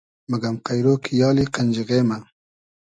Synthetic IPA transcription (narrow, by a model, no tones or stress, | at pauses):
məɡamqajɾoːkʰijɑːliqanʲd͡ʒiɣeːma